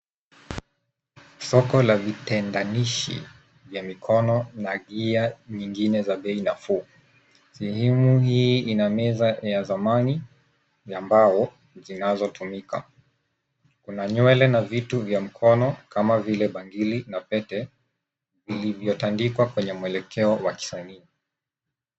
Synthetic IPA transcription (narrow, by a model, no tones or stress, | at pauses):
sɔkɔlavitɛndaniʃḭ | vjamikʰɔnɔnaɠiaɲiŋɡinɛzaɓɛinafuː | sɛhɛmuhiːinamɛzajazamani | ambaɔ | zinazɔtʰumika̰ | kunaɲwɛlɛnavituvjam̩kʰɔnɔkamavilɛɓaŋɡilinapɛtɛ | vilivjɔtandikwakwɛɲɛmuwɛlɛkʰɛɔwaki̥sania